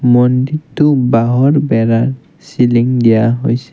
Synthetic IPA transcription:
mɔnditʊbaɦɔɹbɛɾaɹ | siliŋdijaɦojsɛ̥

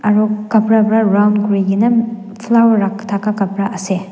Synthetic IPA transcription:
ɐɾokːɐpɾɐbɾaɾawnɡɾiɡinɐ | pʰlawɐɾaktʰakakɐpɾaʔɐse

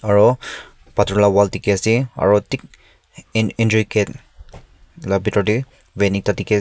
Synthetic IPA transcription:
aɹɔ | patɹlawaltikɛasia̰ɹɔtik | indɹiket | labʱitɔti | wenik̚tatiki

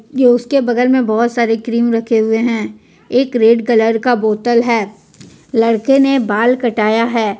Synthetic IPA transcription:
joʊskebɐɡəɾmẽbɔɦʊt̪saːɾekɾiːmɾɐkʰeɦʊeɦɛ̃ː | eːkɾeːɖkɐləɾkaboːt̪əlɦɛː | lɐɽkenebaːlkɐʈaːjaɦɛː

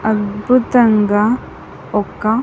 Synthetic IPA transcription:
ɐd̪bʱut̪ɐŋɡɐ | ɔkːɐ

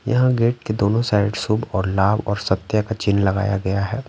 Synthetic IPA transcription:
jɐ̰ɦãɡeːʈ̚ked̪oːnõsaːɪɖsubɔːɾlaːbɔːɾsɐt̪ːjakat͡ʃɪnlɐɡa̰ːjaɡɐjaɦɛː

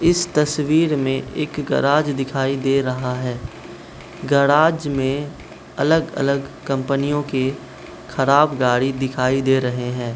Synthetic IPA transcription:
ɪst̪ɐswiːɾmẽʔeːkɡɐ̰ɾaːd͡ʒd̪ɪkʰaːid̪eːɾɐɦaɦɛː | ɡɐɾaːd͡ʒmẽ | ɐləɡɐ̰ləɡkɐ̃mpənijõke | xʰɐɾaːbɡaːɽid̪ɪkʰaːid̪eːɾɐɦeɦɛ̃ː

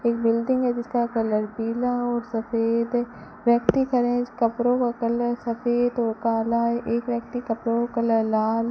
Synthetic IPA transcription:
eːk̚bɪlɖɪ̃ŋɡɦɛd͡ʒɪskakɐləɾbiːlaɔːɾsɐfeːd̪ | ʋjək̚t̪ikɐɾẽːd͡ʒkɐpɾõkakələsɐfeːd̪ɔːɾkaːlaɛʔeːkʋjək̚t̪ikɐpɾokələlaːl

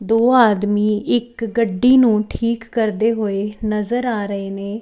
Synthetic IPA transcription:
d̪oːaːd̪miːʔɪkɡəɖːiːnũːʈʰiːkːəɾd̪eːɦoːeːnəzəɾaːɾəeːneː

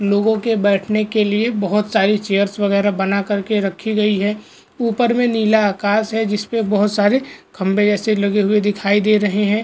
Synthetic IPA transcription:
loːɡõkebɛːʈʰnekeliebɐɦʊt̪saːɾit͡ʃeːəɾsʋɐɣɛːɾabɐnakɐɾkeɾɐkʰiɡɐiɦɛː | uːpəɾmẽniːlaaːkaːsɦɛd͡ʒɪspebɐɦʊt̪saːɾekʰɐ̃mbed͡ʒɛːselɐɡeɦʊed̪ɪkʰaːid̪eːɾɐɦeɦɛ̃ː

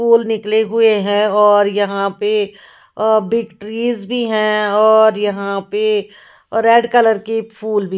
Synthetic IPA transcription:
uːlnɪkleɦʊeɦɛ̃ɔːɾjɐɦãpe | bɪkʈɾiːzbʱiɦɛ̃ɔːɾjɐɦãpe | ɾɛːɖkɐləɾkepʰuːlbʱi

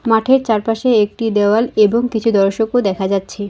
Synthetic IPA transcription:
maʈʰeɾt͡ɕaɾpaʃeek̚ʈid̪eoaleboŋkit͡ɕʰud̪ɔɾʃokod̪ɛkʰad͡ʑatːɕʰe

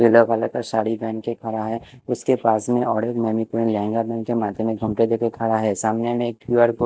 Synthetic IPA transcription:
beloɡalakaʃaːɽibɛ̃ːnkekʰɐɾaɦɛːʊskepaːsmẽʔɔːɾeːkmɛmipuɾĩnlɛ̃ːŋɡabɛ̃ːnkemaːd̪ʱjemẽɡʱɐ̃mʈed̪eːkekʰɐɾaɦɛsaːmnemẽeːk̚kuːəɾko

